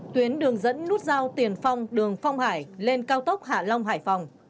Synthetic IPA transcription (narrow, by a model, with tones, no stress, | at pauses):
t̪wi˨˦ənɗɨ˨˩əŋzə̰˧˥nːu˦˥t̚zaː˧wt̪i˨˩ənfa˧wŋ͡mɗɨ˨˩əŋfa˧wŋ͡mhaː˧˩jle˧nkaː˧wt̪ə˦˥wk͡p̚ha̰ː˧˩la˧wŋ͡mɦaː˧˩jfa˧˩wŋ͡m